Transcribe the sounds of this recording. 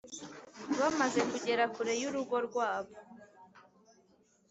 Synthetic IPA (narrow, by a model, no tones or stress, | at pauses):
βamaze̞kuɟe̞ɾakuɾe̞juɾuɡo̞ɾɡwaːβo̞